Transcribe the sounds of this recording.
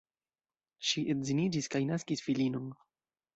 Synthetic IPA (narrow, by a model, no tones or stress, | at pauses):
ʃiʔetzinid͡ʒiskajnaskisfilino̞n